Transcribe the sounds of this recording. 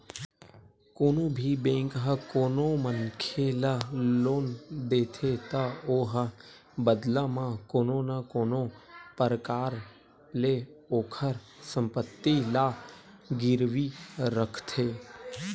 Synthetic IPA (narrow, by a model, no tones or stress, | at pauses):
koːnõːbʱibẽːŋkɦəkoːnõmənkʰelaloːnd̪eːt̪ʰet̪aoːɦə | bəd̪lãmãkoːnõːnakoːnõpəɾəkaːɾ | leoːkʰəɾ | sə̃mpət̪ːilaː | ɡɪɾʋiɾəkʰt̪ʰeː